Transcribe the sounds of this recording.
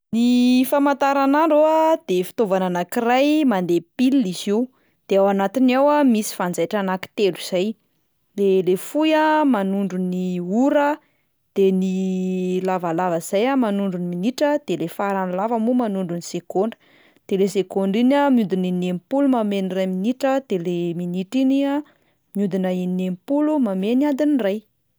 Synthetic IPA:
nifamant̪aɾanaɳɖ͡ʐoad̪̥efi̥t̪ovananakirajmand̪epilːiz̥iw | d̪̥eawanat̪inawamisi̥fand͡zajʈ͡ʂanaki̥t̪eluz̥aj | lelefujamanuɳɖ͡ʐuniuɾə | d̪̥enilavalavəz̥ajamanuɳɖ͡ʐuniminiʈ͡ʂəd̪̥elefaɾanlavəmumanuɳɖ͡ʐunisekoɳɖ͡ʐə̥ | d̪̥elesekoɳɖ͡ʐinamiud̪ininempulumamenirajminiʈ͡ʂəd̪̥eleminiʈ͡ʂinia | miud̪inainempulumameniand̪iniraj

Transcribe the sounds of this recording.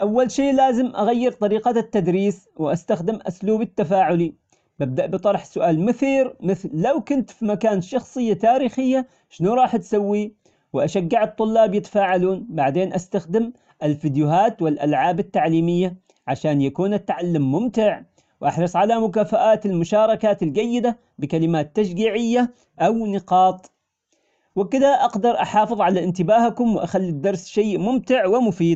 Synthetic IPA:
ʔawːalʃeːʔlaːzɪmʔaɣajːɪɾt̪ˤɑɾiːqɑt̪ːad̪ɾiːs | wɪʔast̪axd̪ɪmʔʊsluːbɪt̪ːafaːʕʊli | bab̚d̪aʔbɨt̪ˤɑɾˤħsʊʔaːlmɪθiːɾmɪθlːawkʊnt̪fimakaːnʃɑxsˤɨjːat̪aːɾiːxɪjːa | ʃɪnuɾˤɑːħt̪sawːi | wʔaʃaɡːɪʕɨt̪ˤːʊlːɑːbjɪt̪ḁfaːʕaluːnbaʕd̪eːnʔast̪axd̪ɪm | ʔɪlfid̪jʊhaːt̪wɪlʔa̰lʕaːbat̪ːaʕliːmɪjːa | ʕaʃaːnjakuːnat̪ːaʕalːamːʊmt̪ɪʕ | wʔɑħɾˤɨsˤʕalamʊkaːfaʔaːt̪ɪlmʊʃɑːɾˤɑkaːt̪ɪlɡajːɪd̪a | bɪkalɪmaːt̪ːaʃɡiːʕɪjːa | ʔawnɪqɑːt̪ˤ | wɪkɪd̪aʔɑɡd̪ɑɾˤʔɑħɑːfɨðˤʕalaʔɪnt̪ɪbaːhakʊmwɪʔaxalːid̪ːɑɾˤsʃaːmʊmt̪ɪʕwɪmʊfiːd̪̚

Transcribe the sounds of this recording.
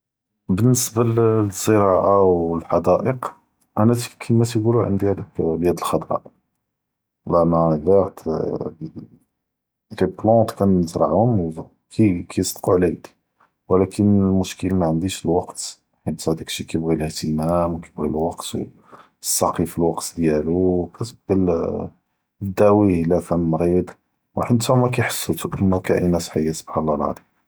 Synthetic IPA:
bənːəsbælzˤːəɾˤɑʔawəlħɑd̪æʔəq | ʔænæt̪kʰəmæt̪iɡuluʕə̰nd̪ihæd̪əkbjæd̪əlxɑd̪ˤɾˤɑ̰ʔ | lʔænædæt̪ | liblɔt̪kænəzɾˤɑʕunz | kʰikʰæjst̪ˤquʕlæd̪i̥ | wəlækʰənlmʊʃkəlmæʕənd̪iʃəlwɑqt̪ | ħənt̪hæd̪ikʃikæjbɣiləht̪əmæmwkæbɣilwɑqt̪w | əsˤːɑqifilwɑqt̪d̪jælukæt̪bqəl | d̪æwilæfæmːɾid̪ˤ | wħənt̪æmækæjħə̥sːət̪uʔmækæʔḭnæsħajːasˤob̥ħanlɑlʕɑ̰d̪ˤi

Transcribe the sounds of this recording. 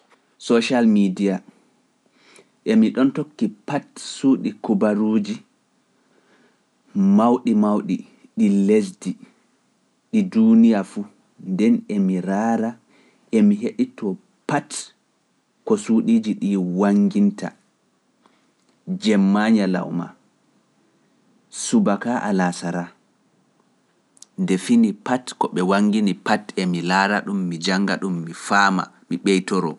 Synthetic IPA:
sɔʃalmidija | ʔemiɗɔntokːipatsuːɗikubaɾuːd͡ʒi | mawɗimawɗi | ɗilesdi | ɗidunijafu | ndɛnɛmiɾaːɾa | ʔemiɦeɗitʰɔ | pat | kɔsuɗiːd͡ʒiɗiwaŋɡinta̰ | d͡ʒɛmːaɲala̰wma̰ | subakaʔalasaɾa | ndɛfinipatkɔɓɛwaŋɡinipatɛmilaːɾaɗumːid͡ʒaŋɡa̰ɗumːifaːma̰ | miɓɛjtɔɾɔ̰

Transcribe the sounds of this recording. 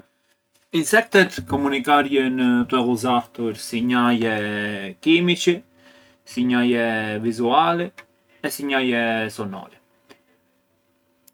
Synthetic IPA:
insɛk̚t̪ɛt̪kɔmunikaɾjɛnət̪ɛluzaɾt̪uɾsiɲajɛkimit͡ʃɛ | siɲajɛvizualɛ | ɛsiɲajɛsɔnɔ̰ɾɛ

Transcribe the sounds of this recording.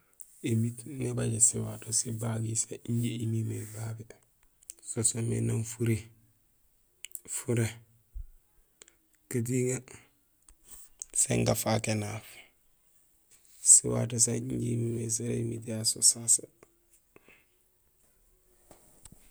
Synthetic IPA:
emitŋabaɟesiwatosibaɡisaiɲɟeimimebaɡe | sosomḛnanfuɾe | fuɾe | kat̬iŋa | sḛŋɡafakenaːf | siwa̰tos̬aiɲɟeimimes̬eɾḛmit̬jasosasa

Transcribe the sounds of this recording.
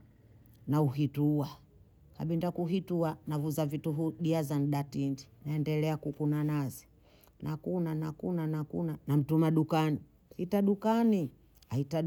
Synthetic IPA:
nauɦitua | ka̰ɓindakuɦituanavuzavituɦuɗiazan̩ɗatindinaɛndɛlɛakukunanazi̥ | nʔakunanakunanakṵnanam̩tumaɗukani | hitaɗukani | aita

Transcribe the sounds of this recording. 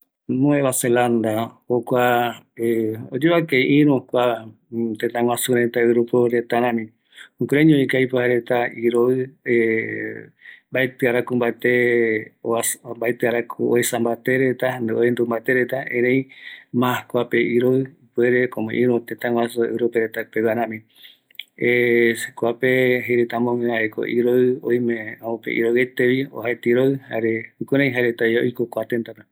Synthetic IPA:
nõeβaseland̪ahokʷa | eod͡ʒeβakeʔĩɾũkʷa | t̪et̪ãŋw̃ãsuɾet̪aɨɾupoɾet̪aɾãmĩ | ũkɾeɲõĩkajpohaɾet̪aiɾoɨe | mbaet̪ɨaɾakumbat̪eombaet̪ɨaɾakʰuoesambat̪eɾet̪aneoend̪umbat̪eɾet̪aẽɾẽj̃mãkʷapeiɾoɨipueɾekõmḛ̃ʔĩɾũt̪ẽt̪ãwasoḛɾopeɾet̪apewaɾãmĩ | eekʷapeɦejɾet̪amõŋẽaʔeko̰ʔiɾoɨojmẽoõpḛʔḭɾowet̪eβio̰ɦaet̪iɾoɨha̰ɾeɨkuɾ̃ãj̃ɦaɾet̪ajo̰jkokʷat̪ẽnt̪at̪a

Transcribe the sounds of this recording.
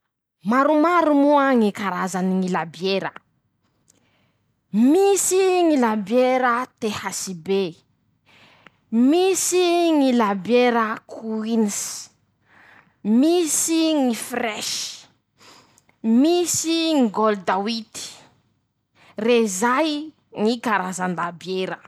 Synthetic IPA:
maɾumaɾumuəŋikaɾazaniŋilabjeɾə | misiŋilabjeɾət̪ehasibe | misiŋilabeɾəkʰuinis | misiŋifrɛʃi̥ | misiŋiɡold̪awit̪i̥ | rezaj | ŋikaɾazanlabjeɾə

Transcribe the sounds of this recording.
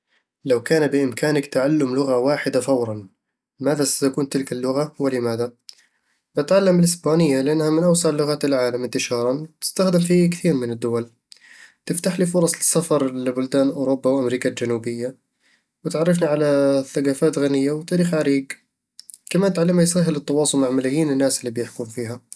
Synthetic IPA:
lawkaːnabɪʔɪmkaːnakt̪aʕalːʊmlʊɣawaːħɪd̪afawɾˤɑn | maːðasḁt̪akuːnt̪ɪlkalːʊɣawɪlɪmaːða | bɪt̪ʕalːamɪlɪsbaːnɪjːalɪʔanːhamɪnʔawsɑʕlːʊɣaːt̪ɪlʕaːlamɪnt̪ɪʃɑːɾˤɑnwt̪ɪ̥st̪axd̪ɪmfikθiːɾmɪnɪd̪ːʊwal | t̪ɪft̪aħlifʊɾˤɑsˤlɪsafɑɾˤlbʊld̪aːnʔuːɾʊbːawʔamɾiːkald͡ʒanuːbɪjːa | wɪt̪ʕɑrˤːɪfniʕalaθːaɡaːfaːt̪ɣanɪjːawɪt̪aːɾiːxʕaɾiːɡ | kamaːnt̪ʕalːamːajsaːɦɪlɨt̪ːɑwɑːsˤʊlmaʕmalajiːnɪnːaːsɪlːiːbjɪħkuːmfiːɦa

